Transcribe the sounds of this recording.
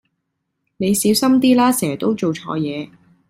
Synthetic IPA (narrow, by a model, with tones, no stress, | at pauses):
ne˨˧jsiː˨˥wsɐ˥mt̪iː˥laː˥sɛː˨˩t̪o˥wt͡ʃo˨wt͡ʃʰɔ̰ː˨˧jɛː˨˧